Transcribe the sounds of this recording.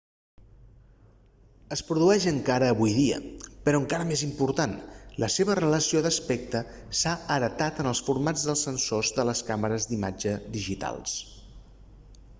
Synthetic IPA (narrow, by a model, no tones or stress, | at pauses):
əspɾuðuɛʃəŋkaɾəːβujðiə̰pəɾɔəŋkaɾəmezimpuɾt̪anləseβ̞ərələsioðəspɛk̚t̪ə | saəɾət̪at̪ənəlˠsfuɾmad͡zðəlˠsənsozðələskaməɾəzd̪imad͡ʒəðiʒit̪a̰lˠs